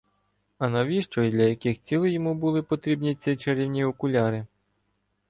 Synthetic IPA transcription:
ɐnɐʋʲiʃt͡ʃɔid̪lʲɐjɐkɪxt͡sʲilˠjɔmubʊlˠɪpɔt̪ɾʲibnʲit͡sʲɪt͡ʃeɾʲiwnʲiɔkʊlʲɑɾɪ

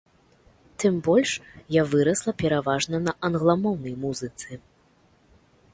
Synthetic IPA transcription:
t̪ɨmbɔlʲʂjavɨɾɐslˠɐpʲɛɾavaʐnɐnɐʔɐnɣlˠamɔwnɐjmuzɨt̪sɨ

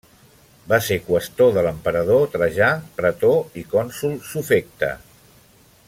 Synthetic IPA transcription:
basekwəst̪oðələmpəɾəð̞ot̪ɾəʒapɾət̪oikɔnsulˠsufek̚t̪ə̰

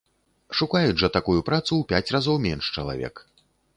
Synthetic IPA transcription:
ʂukajud͡zʐɐt̪akujupɾat̪suwpʲat͡sʲrazɔwmʲɛnʂt͡ʂɐlˠa̰vʲɛ̰k

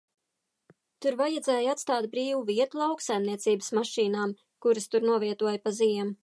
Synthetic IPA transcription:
t̪uɾvajad̪zeːjat̪st̪aːt̪̚bɾiːvuviɛt̪ulˠawksajmniɛt̪siːbəsmaʃiːnaːm | kuɾɨst̪uɾnuɔviɛt̪uɔjpaziɛm

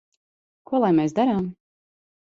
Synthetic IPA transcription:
kuɔlˠajmeːs̬d̪aɾaːm

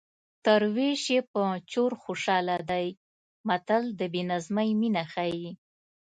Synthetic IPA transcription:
t̪əɾweʃepət͡ʃoɾxoʃɑlad̪aj | mat̪ald̪əbenazmajminaxaji

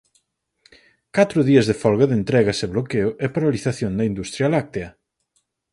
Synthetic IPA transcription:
kat̪ɾʊðiɐzðefɔlɣɐðent̪ɾɛɣɐseβlokeʊʔɛpaɾaliθaθjoŋd̪ɐind̪ust̪ɾjalak̚t̪eɐ

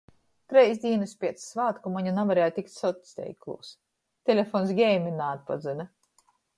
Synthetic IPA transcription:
t̪ɾɛjsd̪ʲiːnɨspʲiɛt̪ssvaːt̪kumaɲunavaɾɛːjt̪ʲikt̪sɔt̪ʲst̪ʲɛ̰jklˠṵːs | t̪ʲelʲefɔnsɡʲɛjmʲinaːt̪̚pa̰zɨna

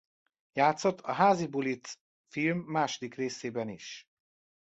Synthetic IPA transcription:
jaːt̪so̞t̪ʰːɒɦaːzibulit̪s | filmːaːʃod̪ikreːseːbɛniʃ

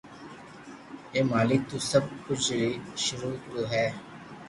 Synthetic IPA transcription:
eːmaːlɪk̚t̪uːsəb̚kʊt͡ʃʰɾiːʃʊɾuːɦɛː

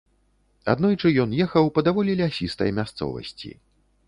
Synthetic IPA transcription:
a̰d̪nɔjt͡ʂɨjɔnjɛxɐwpɐd̪avɔlʲilʲiasʲist̪ɐ̰jmʲast̪sɔ̰vɐ̰sʲt͡sʲḭ

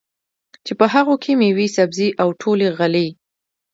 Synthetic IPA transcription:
t͡ʃepəɦaɣokʰemewisabziʔawʈʰoleɣali

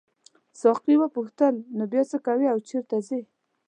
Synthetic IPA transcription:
sɑqiwəpuxt̪əlnobjɑt͡səkawiawt͡ʃeɾt̪azi

